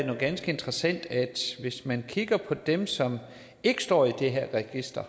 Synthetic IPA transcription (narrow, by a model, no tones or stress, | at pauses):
nuɡ̥ænsɡ̥əe̝nd̥ʁɐsæn̰d̥æd̥ʋe̝smænkʰiɡ̥ɐpʰɒ̽d̥emsɒ̽m | e̝ɡ̥əsd̥ɒ̰ːid̥e̝ɦeɐ̰ʁɛɡ̥isd̥ɐ